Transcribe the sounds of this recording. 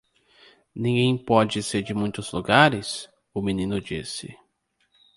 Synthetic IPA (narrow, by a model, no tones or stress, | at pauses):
nĩŋɡẽj̃pɔd͡ʒɪseɾd͡ʒɪmũj̃t̪ʊzluɡaɾɪs | ʊminĩnʊd͡ʒisɪ